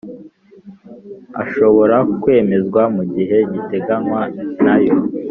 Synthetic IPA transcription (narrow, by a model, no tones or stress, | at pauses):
a̰ʃo̞βo̞ɾakwe̞ːme̞zɡwamuɟiɦe̞ɟite̞ɡanwanajo